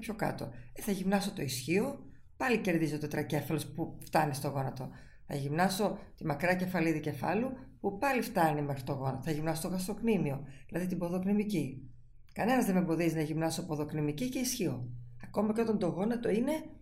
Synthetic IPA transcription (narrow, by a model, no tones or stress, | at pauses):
pço̞kɐ̰t̪o̞̰eθɐʝimnɐso̞t̪o̞isçio̞ | pɐlice̞ɾðizo̞t̪o̞t̪ɾɐce̞fɐlo̞spuft̪ɐnist̪o̞ɣo̞nɐt̪o̞ | θɐ̰ʝimnɐso̞t̪imɐkɾɐce̞fɐliðice̞fɐ̰lupupɐlift̪ɐnime̞xɾit̪o̞ɣo̞nɐt̪oθɐʝimnɐsot̪oɣɐst̪o̞knimio̞ðilɐðit̪ibo̞ðo̞knimici | kɐne̞nɐzðe̞membo̞ðiznɐʝimnɐso̞poðo̞knimicice̞isçio̞ɐko̞mɐceo̞t̪ɐnd̪o̞ɣo̞nɐt̪o̞ine̞